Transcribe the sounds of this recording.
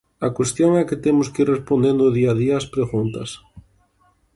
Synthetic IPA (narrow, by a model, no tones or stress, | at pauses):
ɐkwest̪joŋɛkɪt̪emʊskirespond̪end̪ʊðiaðiɐːspɾeɣunt̪ɐs